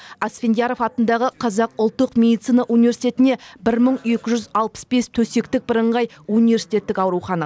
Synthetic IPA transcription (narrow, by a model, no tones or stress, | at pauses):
ɑsfʲend̪ʲjaɾo̞fɑt̪ənd̪ɑʁəqʰɑzɑq̚ʊlˠt̪ːəqmʲe̞d̪it̪sijnɑʔunivʲe̞ɾsi̥jt̪e̞t̪ɪne̞bɪɾməɴe̞kʲɪʒʏzɑlˠpə̥sbe̞st̪ʰɵse̞kt̪ɪk̚bəɾəɴʁɑj | unijvʲe̞ɾsi̥t̪ʲe̞t̪ːɪkɑwɾuχɑnɑ